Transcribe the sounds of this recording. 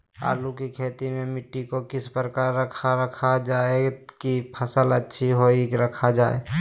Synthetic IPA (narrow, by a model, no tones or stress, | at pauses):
a̰ːlukikʰeːt̪imẽmɪʈːikokɪspɾəkaːɾːəkʰaːəkʰad͡ʒaːekipʰəsələtːʃʰiɦoiɾəkʰad͡ʒaːḛː